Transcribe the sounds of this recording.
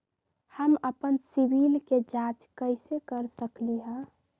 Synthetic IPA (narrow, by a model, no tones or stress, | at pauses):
həməpənsiʋilked͡ʒat͡ʃkəɪsekəɾsəkliɦɛ̃